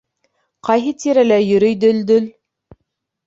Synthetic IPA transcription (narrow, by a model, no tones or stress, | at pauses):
qɑjɦɤt̪iɾælæjɵ̆ɾɵ̆jd̪ɵld̪ɵl